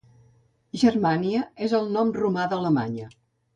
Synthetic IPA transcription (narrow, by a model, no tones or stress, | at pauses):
ʒərmaniəezəlˠnɔmrumaðələmaɲə